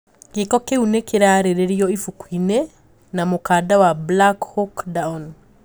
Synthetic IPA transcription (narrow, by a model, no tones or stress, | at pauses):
ɡekɔkeunekeɾaɾeɾeɾiɔifukwine | namokaːdawablakhɔkdaɔn